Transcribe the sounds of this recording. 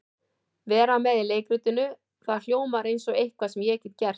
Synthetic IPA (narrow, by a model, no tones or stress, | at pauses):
vɛːɾamɛðɪleːjkɾʏːt̪ʏnʏ | θaðl̥joːwmaɾejnsɔɣejhkvasɛmjɛɛcːɪ̥t̪cɛr̥t